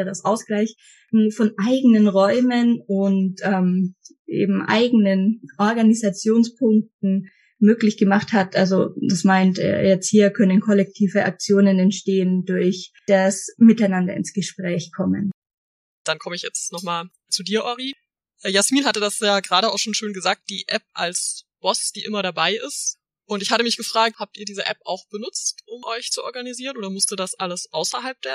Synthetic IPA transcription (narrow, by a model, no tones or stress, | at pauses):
dasʔaʊsɡ̥laɪç | nufɔnʔaɪɡənənʁɔʏmənʊntʔɛːm | ʔḛːbm̩ʔa̰ɪɡənənʔɔɐɡanizat͡sjoːnspʰʊŋk̚tn̩ | møːklɪçɡ̥əmaχthatʔalzod̥asmaɪntɛ̰ɐjɛt͡sthiːɐkʰœnənkʰɔlɛk̚tʰiːvəʔa̰k̚t͡sjoːnənɛntʃteːəndʊɐçd̥asmɪtaɪnandɐɪ̰nsɡ̥əʃpʁ̥ɛːçkʰɔmən | d̥ankʰɔməɪçjɛt͡stnɔχmaːl | t͡sudiːɐʔɔʁi | ʔɛjasmiːnhatədasjaːɡəʁaːɾəaʊxʃoːnʃøːnɡəzaːk̚t̚d̥iːʔɛp̚ʔa̰lsb̥ɔsd̥iːʔɪmɐɾabaɪʔɪst | ʔʊntɪçhatəmɪçɡ̥əfʁ̥aːk̚thaːp̚tiːɐdiːzəʔɛ̰pa̰ʊxb̥ənʊt͡stʔʊmʔɔʏçt͡suʔɔɐɡaniziːʁənʔoːdɐmʊstiːɐdasʔaləsʔaʊsɐɦalp̚d̥eːɐ